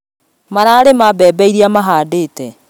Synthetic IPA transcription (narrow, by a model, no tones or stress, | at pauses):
maɾaːɾemabɛbɛiɾiamaɦaːdeːtɛ